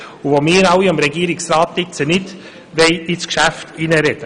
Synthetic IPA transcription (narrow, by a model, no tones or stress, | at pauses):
uvomɪːɾɑwiɑmɾɛɡiəɾɪksɾɑːt̪lɪkt͡sənɪt | ʋɛɪɪskʃæftinəɾɛd̥ə